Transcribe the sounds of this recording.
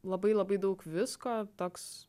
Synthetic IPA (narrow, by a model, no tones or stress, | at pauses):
lˠɐbɐɪlˠɐbɐɪd̪ɐʊkʋʲɪskoːt̪oːks